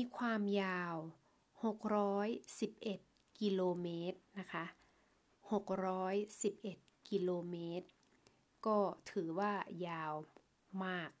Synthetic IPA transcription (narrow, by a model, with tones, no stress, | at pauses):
miː˧kʰwaː˧mjaː˧w | ho˨˩k̚ɾɔː˦˥jsi˨˩p̚ʔe˨˩t̪̚ | ki˧loː˧meː˦˥t̪̚na˦˥kʰa˦˥ʔ | ho˨˩k̚ɾɔː˦˥jsi˨˩p̚ʔe˨˩t̪̚ki˧loː˧meː˦˥t̪̚ | kɔː˥˩t̪ʰɯː˩˦waː˥˩jaː˧w | maː˥˩k̚